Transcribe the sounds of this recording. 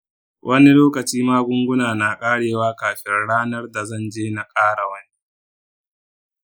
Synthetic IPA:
wʔɐ˦ni˦loː˦kɐ˨t͡ʃiː˦maː˦ɡʷʊ˦ŋɡʷʊ˦naː˨na˨kʼaː˦ɽeː˨waː˦kaː˨ɸɪ˦nɽaː˦nɐ˦rda˨zɐ˦˨nd͡ʒeː˦na˨kʼaː˦ɽa˨wɐ˦ni˦

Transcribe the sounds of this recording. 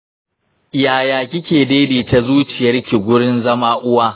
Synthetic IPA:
jaː˨jaː˨kʲɪ˦kʲeː˨deː˦diː˨ta˨zuː˦t͡ʃɪ˨jɐ˦rkʲi˨ɡʷʊ˦ɽɪ˦nzɐ˦maː˦ʔʊ˦waː˦

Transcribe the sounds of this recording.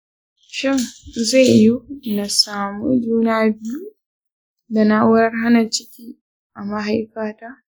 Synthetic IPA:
ʃɪ˦ŋza˦˨jju˦na˨saː˨mu˦d͡ʒuː˦naː˦bɪ˦ju˦ | da˨na˦wʊ˦ɾɐ˦rɦa˦na˨t͡ʃɪ˦kʲiː˦ | ʔa˨ma˦ɦa˦jkaː˦taː˦

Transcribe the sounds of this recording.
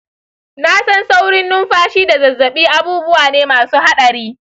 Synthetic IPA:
na˦sɐ˦nsa˦wɽɪ˦nːʊ˦mɸaː˦ʃiː˦da˨zɐ˨zːɐ˨ɓiː˦ʔa˦buː˦bʊ˦waː˨neː˦maː˨suː˦ha˦ɗɐ˨ɾiː˦

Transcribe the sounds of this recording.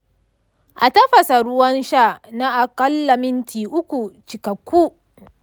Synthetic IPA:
ʔa˨tɐ˦ɸɐ˨sa˨ɽʊ˦wɐ˦nʃa˦˨na˦ʔa˨kɐ˦lːa˨mɪ˦ntʰiː˨ʔʊ˦kʷu˨t͡ʃɪ˨kɐ˨kʷːu˦

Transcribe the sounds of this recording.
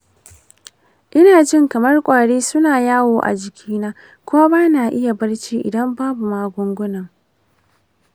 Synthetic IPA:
ʔɪ˦naː˨d͡ʒɪ˦˨ŋkɐ˨mɐ˦rkʷʼaː˨ɽeː˦sʊ˦naː˨jaː˦woː˨ʔa̰˨d͡ʒɪ˨kʲʰiː˦naː˦ | kʷʊ˦wa˦baː˦na˨ʔɪ˦ja˨bɐ˦rt͡ʃiː˦ʔɪ̰˨dɐ˦mbaː˦bu˨maː˦ɡʷʊ˦ŋɡʷʊ˦nɐ˨ŋ

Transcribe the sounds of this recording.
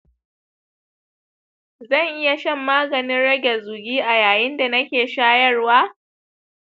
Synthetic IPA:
zɐ˦˨ŋʔɪ˦ja˨ʃɐ˦mːaː˦ɡɐ˨nɪ˦nɽɐ˦ɡʲɛ˨zuː˨ɡʲiː˦ʔa˨jaː˨jɪ˦nda˨nɐ˦kʲeː˨ʃaː˦jɐ˦rwaː˦

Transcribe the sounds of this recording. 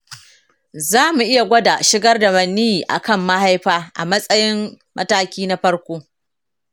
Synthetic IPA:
zaː˦mu˨ʔɪ˦ja˨ɡʷɐ˦da˨ʃɪ˦ɡɐ˦rda˨mɐ˨nːi˦i˨ʔa̰˨kɐ˦˨mːa˦ha˦jɸaː˦ʔa̰˨mɐ˦sʼɐ˦jɪ˦m | mʔɐ̰˦taː˦kʲiː˦na˦ɸɐ˦ɽkʷoː˦

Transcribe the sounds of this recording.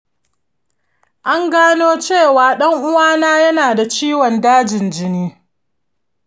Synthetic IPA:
ʔa˦ŋɡaː˦noː˦t͡ʃeː˦˨waː˨˦ɗɐ˦ŋʔʊ˦waː˦naː˦jɐ˦naː˨da˨t͡ʃiː˦wɔ˨ndaː˦d͡ʒɪ˨nd͡ʒɪ˦niː˦

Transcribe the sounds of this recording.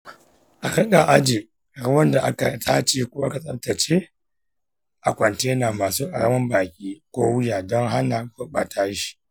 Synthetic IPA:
ʔa˨kɐ˦kʼa˨ʔa˦d͡ʒi˨ | ɾa˦wɐ˦nda˨ʔa˦ka˨tʰaː˦t͡ʃe˦kʷo˦ʔa˦ka˨sʼɐ˨tɐ˨t͡ʃe˦ | ʔa˨kʷɐ˨nteː˦naː˨maː˨suː˦ʔa̰˨ɽɐ̰˦mɐ˦mbaː˨kʲʼiː˦kʷoː˦wʊ˦jaː˨dɔ˦ŋɦa˦naː˨kʊ˦ɓa̰˨tʰaː˦ʃi̥˨

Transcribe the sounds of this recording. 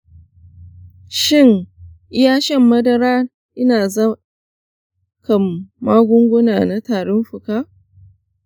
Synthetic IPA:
ʃɪ˦˨ŋʔɪ˦jaː˦ʃɐ˦mːɐ˦dɐ˦ɾaː˦ | ʔɪ˦naː˨zɐ˦ | kɐ˨mːaː˦ɡʷʊ˦ŋɡʷʊ˦naː˨na˦taː˨ɽɔ˦mɸʊ˨kaː˦

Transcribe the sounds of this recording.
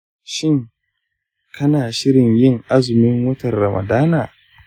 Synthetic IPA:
ʃɪ˦˨ŋ | kʰɐ˦naː˨ʃɪ˦ɾɪ˨ɲjɪ˦ŋʔa˦zʊ˨mɪ˦ŋwʊ˦tɐ˨rːɐ˨mʔɐ̰˨daː˦naː˨

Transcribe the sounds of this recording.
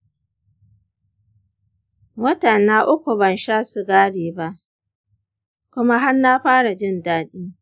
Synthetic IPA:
wɐ˦tɐ˨naː˦ʔʊ˦kʷu˨bɐ˨nʃaː˦su˨ɡaː˦ɽeː˨ba˦ʔ | kʷʊ˦ma˦ɦa˦rna˦ɸaː˦ɽa˨d͡ʒɪ˦ndaː˦ɗiː˦

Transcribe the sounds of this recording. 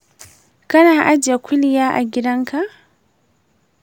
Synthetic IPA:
ka˦na˦a˨ʔa˦d͡ʒa˨kʰʷu˦li˦ja˦ʔa̰˨ɡi˨ɾa˦ŋ˦ka˦

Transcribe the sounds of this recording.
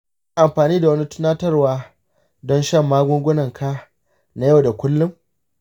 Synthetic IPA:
ʔa˨mɸaː˨niː˦da˨wɐ˦ni˦tʊ̥˦naː˦tɐ˦rwaː˦ | dɔ˦nʃɐ˦mːaː˦ɡʷʊ˦ŋɡʷʊ˦nɐ˨ŋkʰaː˦ | na˦jɐ˦˨wda˨kʷʊ˦lːʊ˦m

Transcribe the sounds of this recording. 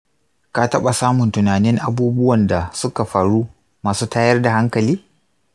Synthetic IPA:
ka˦tɐ˦ɓa˨saː˦mʊ˨ntʊ˨naː˨nɪ˦ŋʔa˨buː˦bʊ˦wɐ˨nda˨sʊ˦ka˨ɸaː˨ɽuː˦ | maː˨suː˦taː˦jɐ˦rda˨ha˦ŋkɐ˨liː˦

